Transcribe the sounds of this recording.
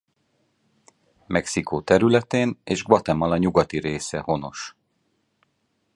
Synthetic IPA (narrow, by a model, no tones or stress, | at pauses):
mʔɛksikʰoːt̪ɛɾylɛt̪eːneːʒɡʋɒt̪ɛmːɒlɒɲuɡɒt̪iɾeːsɛho̞no̞̰ʃ